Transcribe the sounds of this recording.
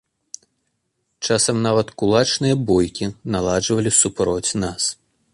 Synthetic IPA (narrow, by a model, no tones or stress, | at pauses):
t͡ʂasɐmnavɐt̪kulˠat͡ʂnɨjɐbɔjkʲinalˠad͡ʐvɐlʲisupɾɔt͡sʲnas